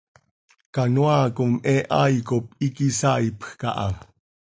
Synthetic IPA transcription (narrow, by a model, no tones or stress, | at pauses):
kanwakomɛʔajkop̚ikisaipxkɑ̰ʔɑ̰